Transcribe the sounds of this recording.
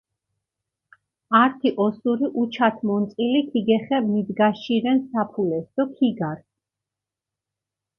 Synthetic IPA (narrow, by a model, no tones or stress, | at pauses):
aɾt̪ʰiʔɔsuɾiʔut͡ʃʰat̪ʰmɔnt̪sʼilikʰiɡɛχɛbnid̪ɡaʃiɾɛnsapʰulɛsd̪̥ɔkʰiɡaɾs